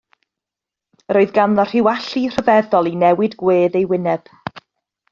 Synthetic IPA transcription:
ɾoːɨðɡanðɔr̥ɪwaɬir̥əvɛðɔlˠinɛwɪdɡweːðejwɪnɛb̥

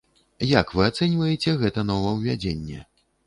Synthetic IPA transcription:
jakvɨat̪sɛnʲvɐjɛt͡sʲɛɣɛt̪ɐnɔvɐwvʲad͡zʲenʲːɛ̰

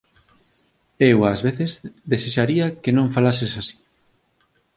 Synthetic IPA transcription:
ewazβeθezd̪eseʃaɾiɐkenõɱfalasesasi̥

